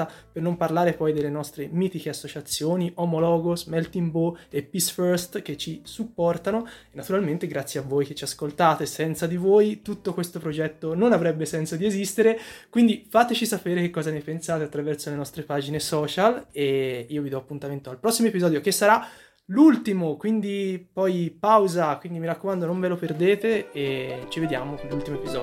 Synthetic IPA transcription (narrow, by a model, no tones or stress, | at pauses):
apernomparlaːɾepɔjd̪elːenɔst̪ɾemiːt̪ikeasːot͡ʃat̪sːjoːniʔomolɔːɡosmɛlt̪imboepːisfɛrst̪k̟et͡ʃːisupːɔrt̪anoenːat̪uɾalment̪eɡɾat̪sjeavːoːjk̟et͡ʃːiaskolt̪aːt̪esɛnt̪sad̪ivoːjt̪ut̪ːokwest̪opɾod͡ʒɛt̪ːononavɾɛbːesɛnsod̪iezist̪eɾekwind̪ifaːt̪et͡ʃisapeːɾekekːɔːzanepensaːt̪eat̪ːɾavɛrsolenɔst̪ɾepaːd͡ʒinesɔːt͡ʃaleiːovid̪ɔapːunt̪ament̪oalpɾɔsːimoepizɔːd̪jokesːaɾa | lult̪imokwind̪ipɔjpawzakwind̪imiɾakːomand̪onoɱveloperd̪eːt̪eː | t͡ʃived̪ja̰ːmokonlːult̪imoepizɔ̰ːd